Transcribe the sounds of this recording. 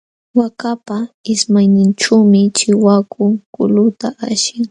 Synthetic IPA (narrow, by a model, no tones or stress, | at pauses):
wakapaɪsmajnɪnʈ͡ʂawmɪt͡ʃɪwakʰʊŋkʊ̰lʊt̪aʔaʃɪŋ